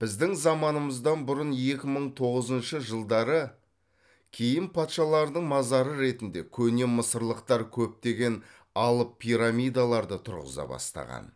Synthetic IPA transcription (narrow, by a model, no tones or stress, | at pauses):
b̥ɪzd̪ɪŋzɑmɑnəməzd̪ɑnbʊɾənje̞kʲɪməɴt̪ʰo̞ʁəzənʃəʒəlˠd̪ɑɾə | kʲʰe̞jɪnpʰɑt̪ʃɑlˠɑɾd̪əɴmɑzɑɾəɾe̞t̪ɪnd̪e̞̰kʲʰɵne̞məsəɾlˠəq̚t̪ɑɾkʲʰɵp̚t̪e̞ɡʲe̞n | ɑlˠəpʰːijɾamʲijd̪alˠɑɾd̪ət̪ʰʊɾʁə̰zɑ̰bɑ̰st̪ɑ̰ʁɑ̰n